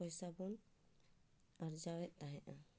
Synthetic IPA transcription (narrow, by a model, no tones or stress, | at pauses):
ɔjsabɔn | aɾd͡ʒawɛt̪̚ˀt̪aɦɛʔa